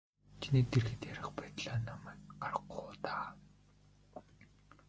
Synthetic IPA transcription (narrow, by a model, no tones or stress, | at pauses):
t͡ɕʰiniːt̪erɣɘ̆t̪jæɾʲɪ̆χpæːt̪ɮaːnamæːkɢarə̆qːʊːt̪aː